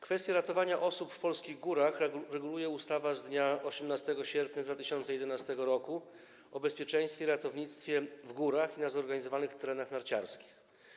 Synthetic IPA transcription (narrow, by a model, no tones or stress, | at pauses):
kfɛst̪ʲjaɾat̪ɔvaɲaʔɔsupfpɔlskʲiɣɡuɾaxɾɛɡulujɛust̪avazd̪ɲaɔɕɛmnast̪ɛɡɔɕɛɾpɲad̪vat̪ɘɕɔnt̪sɛjɛd̪ɛnast̪ɛɡɔɾɔku | ɔbɛspʲjɛt͡ʂɛj̃st̪fʲjɛiɾat̪ɔvɲit̪st̪fʲjɛvɡuɾaxinazɔɾɡaɲizɔvanɘxt̪ɛɾɛnaxnaɾt͡ɕa̰ɾskʲi̥x